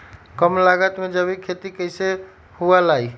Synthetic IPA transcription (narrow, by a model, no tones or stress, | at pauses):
kəmlaɡət̪med͡ʒəbʱikʰet̪ikəɪse | hualai